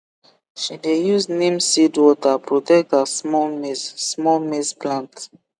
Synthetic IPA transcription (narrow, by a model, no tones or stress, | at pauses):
ʃidejuznĩmsidwɔtapɹotɛk̚tasmɔmesːmɔlmesplãnt